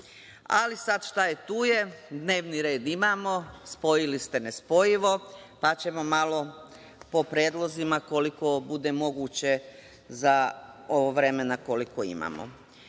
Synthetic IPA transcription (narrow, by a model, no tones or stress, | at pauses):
a̰lisad̪ʃt̪aje̞t̪uːje̞d̪ne̞ːʋniɾe̞ːd̪imaːmo̞spo̞jilist̪e̞ne̞spo̞jiʋo̞pat͡ɕe̞mo̞malo̞ | po̞pɾjeːd̪lˠo̞zimako̞liko̞bud̪e̞mo̞ɡuːt͡ɕe̞ | zao̞ʋoʋɾe̞me̞nako̞likoḭma̰ːmo̰